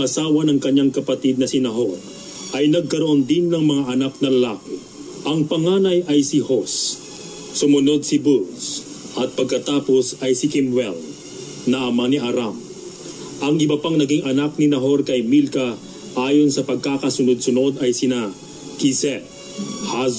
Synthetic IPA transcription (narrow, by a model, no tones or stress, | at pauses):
ʔɐsaːwɐnɐŋkɐɲːaŋkɐpɐt̪id̪̚nɐsɪnɐɦoɾ | ʔɐjnɐɡ̚kɐɾoʔond̪ɪnːɐŋmɐŋaʔɐnaknɐlɐlaːkɪ | ʔɐŋpɐŋaːnɐjʔɐjsɪhosː | ʊmʊno̞d̪̚sɪbuls | ʔɐt̪̚pɐɡ̚kɐt̪aːpo̞sɐjsɪkɪmwɛ̰l | nɐʔɐmaniʔɐɾam | ʔɐŋʔɪbɐpaŋnɐɡiŋʔɐnak̚nɪnɐɦo̞ɾkɐjmilkɐ | ʔaːjo̞nsɐpɐɡ̚kakɐsʊnod̪̚sʊno̞d̪ɐjsɪna | kisɛ | haz